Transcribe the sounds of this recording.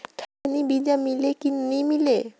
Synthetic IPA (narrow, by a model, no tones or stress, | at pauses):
kʰanibid͡ʒamilekinnimile